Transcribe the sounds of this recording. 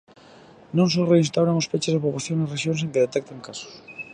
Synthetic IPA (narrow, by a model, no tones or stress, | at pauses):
nõŋs̬oreinst̪awɾaŋospet͡ʃezðepoβlaθjoŋereʃjõns̬ẽŋkeðet̪ɛk̚t̪aŋkaso̥s